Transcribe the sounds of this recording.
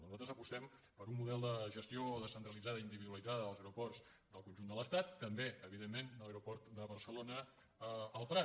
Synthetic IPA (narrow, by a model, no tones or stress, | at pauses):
nuzalˠt̪ɾəzəpust̪ɛmpəɾumːuðɛlˠd̪əʒəst̪ioðəsənt̪ɾəlid͡zaðəind̪iβiðuəlid͡zaðəəlˠzəwɾupɔrz | d̪əlˠkunʒund̪ələst̪at̪ːəmbeəβiðemːend̪ələɾupɔrt̪d̪əβərsəlonə | əəlˠpɾa